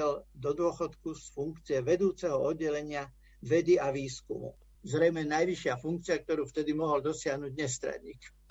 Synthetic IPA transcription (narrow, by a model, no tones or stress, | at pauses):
ɛld̪ɔd̪ʊɔxɔt̪kusfuŋkt͡siɛʋɛd̪uːt͡sɛɦɔɔd̪ːɛlɛɲɪa | ʋɛd̪iaʋiːskṵmṵ | zɾɛjmɛnajʋiʃɪafuŋk̚t͡siɪak̚t̪ɔɾuːft̪ɛd̪imɔɦɔld̪ɔsɪaɦnuɟɲɛst̪ɾa̰dɲḭːk